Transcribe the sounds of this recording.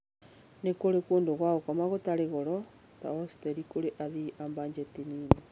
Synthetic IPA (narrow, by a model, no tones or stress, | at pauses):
nekoɾekwoːndoɣwaɣokɔmaɣotaɾeɣɔɾɔ | ta̰ɔstɛɾikoɾeʔaðiʔambaɲd͡ʒɛtinine